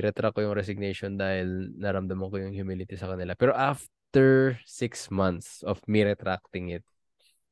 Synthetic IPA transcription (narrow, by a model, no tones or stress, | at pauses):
ɾɛt̪ɾakːojʊŋɾɛsɪɡ̚nɛjʃond̪aːhɪlnɐɾɐmd̪ɐmɐnkojʊŋhjʊmilɪt̪isɐkɐnɪlapɛːɾoʔaf | t̪ɛɹsɪksmɐnt̪sʔofmiɾɛt̪ɾak̚t̪ɪŋɪt̪̚